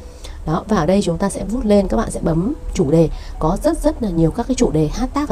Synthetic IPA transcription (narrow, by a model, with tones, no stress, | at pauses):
ɗɔ˨˦vaː˨˩ʔəː˨˩ɗə˧jt͡ɕʊ˨˦ŋ͡mt̪aː˧sɛ̰˧˥vu˦˥t̚le˧nkaː˦˥k̚ɓa̰ː˧˨sɛ̰˧˥ʔɓə˨˦mt͡ɕu˧˩ɗe˨˩kɔ˨˦zə˦˥t̚zə˦˥t̚laː˨˩ɲi˨˩əwkaː˦˥kaː˨˦jt͡ɕu˧˩ɗe˨˩haː˦˥t̚t̪aː˦˥k̚